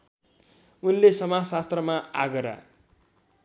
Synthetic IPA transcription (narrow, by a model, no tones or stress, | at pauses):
unlesʌmasast̪rʌmaaɡʌɾa̰